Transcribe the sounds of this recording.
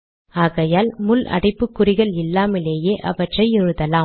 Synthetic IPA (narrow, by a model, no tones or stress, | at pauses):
aːɣɐjaːlmʊlʔɐ̰ɽɪpːɯkːʊrɪɣɐɭɪlːaːmɪleːjeːʔɐ̰ʋɐʈrɐɪɪɾɯðɐlaː